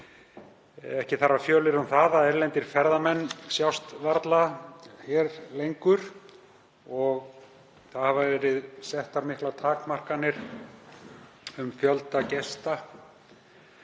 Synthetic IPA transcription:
ɛhcɪθaɾafjœːlɪɾʏmθaːðaɛɾlɛnt̪ɪɾ̥fɛɾðamɛnːsjawst̪vaɾt̪laçɛɾlejŋkʏɾ̥ | ɔɣ | θaðhavavɛːɾɪðsɛht̪aɾmɪhklat̪ʰaːkmar̥kanːɪɾ̥ | ʏmfjœlt̪acɛst̪a

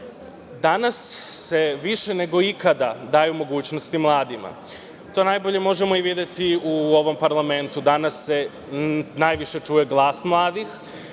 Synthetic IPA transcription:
d̪anasːe̞ʋiʃe̞ne̞ɡo̞ikad̪ad̪aːjumo̞ɡuːt͡ɕnost̪imlˠaːd̪ima̰ | t̪o̞ːnajbo̞ʎe̞mo̞ʒemo̞iʋid̪jet̪iuo̞ʋo̞mpaɾlˠame̞nt̪ud̪anasːe | najʋiʃe̞t͡ʃuːje̞ɡlˠaːsmlˠaːd̪ix

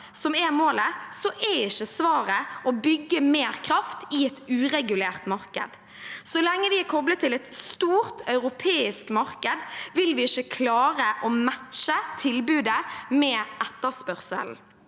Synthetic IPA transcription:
sɔmɛmoːləsɔʔɛɪçːəsʋɑːɾəʔɔbʏɡːəmeːɾkʰɾɑft̪ɪɛt̪ʉːɾɛɡʉleːʁt̪mɑɾkə̰d̪ | sɔlɛŋːəʋɪɛkʰɔblət̪ːɪlɛt̪st̪uːɾt̪œʉʁɾʊpʰeːɪskmɑɾkəd̪ʋɪlʋɪɪçəkʰlɑːɾəʔɔmæt̪ʃət̪ʰɪlbʉːd̪əmɛːʔɛt̪ːəspœʁsə̰ln̩

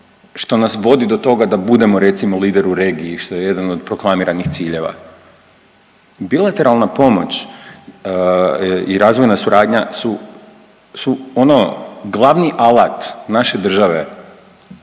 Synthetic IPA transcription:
ʃt̪o̞nasʋo̞d̪id̪o̞t̪o̞ɡad̪abud̪e̞mo̞ɾe̞t̪simoliːd̪e̞ɾuɾe̞ːɡiiʃt̪o̞je̞je̞d̪ano̞d̪pɾo̞klˠamiɾanixt̪siːʎe̞ʋa̰ | bilˠat̪e̞ɾalˠnapo̞mo̞t͡ɕ | iɾaːzʋo̞jnasuɾʔaːd̪ɲasu | suonoɡlˠaʋniʔalˠat̪naʃe̞d̪r̩ʒaʋe̞

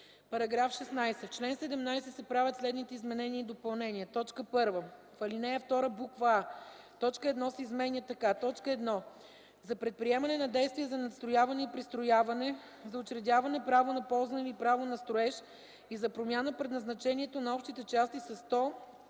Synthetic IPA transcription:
pɐɾɐɡɾafʃɛsnajsɛft͡ʃlɛnsɛd̪ɛmnajsɛsɛpɾavʲjɐt̪slɛd̪nit̪ɛizmɛnɛnʲiːd̪opɐlˠnɛnʲiət̪ɔt͡ʃkəpɤɾvə | fɐlinɛjəft̪ɔɾəbukvaa | t̪ɔt͡ʃkəɛd̪nɔsɛizmɛnʲjət̪ɐkat̪ɔt͡ʃkəɛd̪nɔ | zɐpɾɛt̪̚pɾiɛmɐnɛnɐd̪ɛjst̪viɛzɐnɐt̪st̪ɾojavɐnɛipɾist̪ɾojavɐnɛ | zɐot͡ʃɾɛd̪ʲavɐnɛpɾavonɐpɔlˠzənɛvipɾavonɐst̪ɾoɛʃ | izɐpɾomʲjanəpɾɛd̪nɐznɐt͡ʃɛniɛt̪onɐɔpʃt̪it̪ɛt͡ʃast̪isɐst̪ɔ

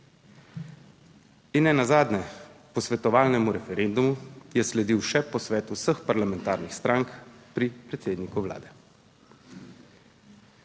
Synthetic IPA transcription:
inːɛnazaːd̪nɛpɔsʋɛt̪ɔʋaːlnɛmuɾɛfɛɾend̪umujɛslɛd̪iwʃɛpɔsʋɛːt̪usəxpaɾlamɛnt̪aːɾnixst̪ɾʔaːŋkpɾipɾɛt̪seːd̪nikuʋla̰ːd̪ɛ

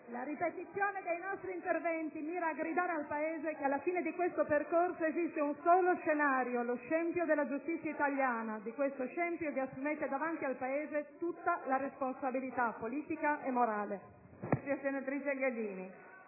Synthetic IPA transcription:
laɾipet̪it̪sːjoːned̪ejnɔst̪ɾiːnt̪ervɛnt̪imiːɾaːɡɾid̪aːɾealpaeːzekealːafiːned̪ikwest̪operkorsoezist̪eunsoːloʃenaːɾjoloʃɛmpjod̪elːad͡ʒust̪it̪sːjait̪aljaːnad̪ikwest̪oʃɛmpjoviasːumet̪ed̪avant̪ialpaeːzet̪ut̪ːalaresponsabilit̪apːoliːt̪ikaʔemːoɾaːle | asiasenat̪ɾiːt͡ʃeɡed̪iːni

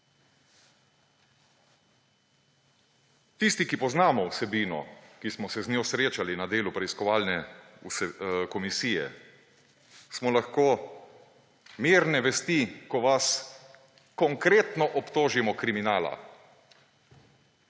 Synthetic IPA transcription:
t̪ist̪ikipɔznaːmɔwsɛbiːnɔ̰kismɔsɛznjoːsɾeːt͡ʃalinad̪eːlupɾɛiskɔʋaːlnɛ | skɔmisiːjɛ̰ | smɔlaxkoː | miːɾnɛʋɛst̪ikɔʋas | kɔŋkɾeːt̪nɔʔɔpt̪oːʒimɔkɾiminaːla̰

